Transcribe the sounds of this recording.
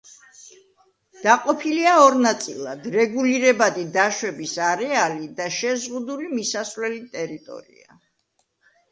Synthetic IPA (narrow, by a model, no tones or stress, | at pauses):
d̪̥aqʼɔpʰiliaɔɾnat̪sʼḭlˠad̪ɾɛɡuliɾɛbad̪id̪aʃwɛbisaɾɛalid̪aʃɛzʁud̪ulimisasvlɛlit̪ʼɛɾit̪ʼɔ̰ɾḭa̰